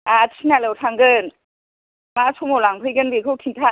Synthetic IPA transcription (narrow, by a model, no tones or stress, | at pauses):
atʰinalɯwtʰaŋɡɯn | masʰomolaŋpʰɯjɡɯnbekʰɯkʰintʰa